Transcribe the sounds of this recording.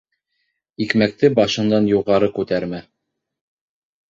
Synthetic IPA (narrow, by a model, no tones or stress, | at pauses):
ikmæk̚t̪ɘbɑʃɤ̆nd̪ɑnjuʁɑɾɤkʉt̪æɾmæ